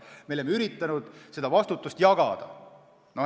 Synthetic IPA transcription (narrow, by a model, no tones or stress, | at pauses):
melemːeyɾit̪ːˑɑnud̪̥se̞d̪ɑvɑst̪ut̪ːˑust̪jɑɡ̥ɑd̪̥ɑ̰ | no